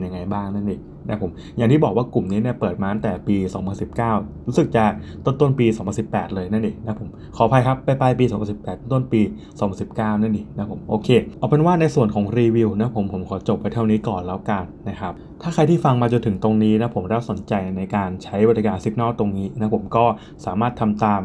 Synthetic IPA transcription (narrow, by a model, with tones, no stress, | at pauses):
nja˧ŋa˧jbaː˥˩ŋna˥˩ni˨˩ | na˦˥pʰo˩˦m | ja˨˩ŋt̪ʰiː˥˩bɔː˨˩k̚waː˥˩ku˨˩mniː˦˥ni˥˩ɐpɤː˨˩t̪̚maː˧na˧˦t̪ɛː˨˩piː˧sɔː˩˦ŋpʰa˧nsi˨˩p̚kaː˥˩wɾu˦˥sɯ˨˩k̚t͡ɕa˨˩t̪o˥˩˨nt̪o˥˩˨npiː˧sɔː˩˦ŋpʰa˧nsi˨˩pːɛː˨˩t̪̚lɤː˧jna˥˩nʔi˧˨˩na˦˥pʰo˩˦m | kʰɔː˨˦pʰa˧jkʰa˦˥pːa˧jpa˧jpiː˧sɔː˩˦pʰa˧nsi˨˩pːɛː˨˩t̪̚ːo˥˩t̪npiː˧ | sɔː˨˦pʰa˧˨nsi˨˩p̚kaː˥˩wnaː˥˩nʔi˧˨˩na˦˥pʰo˨˩˦mʔoː˧kʰeː˧ʔɔ˨˧˩pe˧nwaː˥˩na˧jsu˨˩ənkʰɔː˩˦ŋɾiː˧wi˧wna˧˦˥pʰo˩˦mpʰo˩˦mkʰɔː˩˦t͡ɕo˨˩p̚ːa˧jt̪ʰa˥˩wniː˦˥kɔː˨˩nlɛː˦˥wka˧nːa˦˥kʰa˦˥p̚ | t̪ʰaː˥˩kʰa˧jt̪ʰiː˥˩fa˧ŋmaː˧t͡ɕo˧nt̪ʰɯ˩˦ŋt̪o˧ŋniː˦˥na˦˥pʰo˩˦mɾaː˦˥so˩˦nt͡ɕa˧jna˧jkaː˧nt͡ɕʰa˦˥jba˧˩ja˧kaː˧nsi˦˥k̚nɔː˥˩t̪o˧ŋniː˦˥na˦˥pʰo˩˦mkɔː˥˩ | saː˩˦maː˥˩t̪ʰːa˧mt̪aː˧m